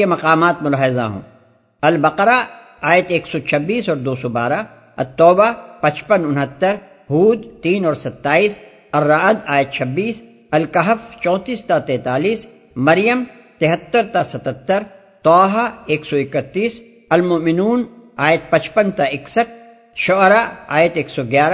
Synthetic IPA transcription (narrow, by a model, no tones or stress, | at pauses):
emɐqaːmaːt̪mʊlaːɦɪza̰ɦõ̰ː | ɐlbɐqɾa | aːjət̪eːksɔt͡ʃʰɐbːiːsɔːɾd̪oːsoba̰ːɾa | ɐ̰t̪ːɔːbapɐt͡ʃpənʊnɦət̪ːəɾ | ɦuːd̪t̪iːnɔːɾsɐt̪ːaːiːs | ɐrːaːd̪aːjət̪̚t͡ʃʰɐbːiːs | ɐlkɐɦəft͡ʃɔ̃ːt̪iːst̪at̪ɛːt̪aːliːs | mɐɾjəm | t̪ɪɦət̪ːəɾt̪asɐt̪ət̪ːəɾ | t̪ɔːɦaeːksɔɪkət̪ːiːs | ɐlmʊmɪnuːnaːjət̪̚pɐt͡ʃpənt̪aɪksəʈ̚ʰ | ʃɔɾaa̰ːjət̪eːksɔɡjaːɾa